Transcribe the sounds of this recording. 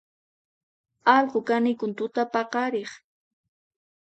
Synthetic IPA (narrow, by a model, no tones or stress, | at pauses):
ɑlqokanɪjkʊnt̪ʊt̪apɑqɑɾeχ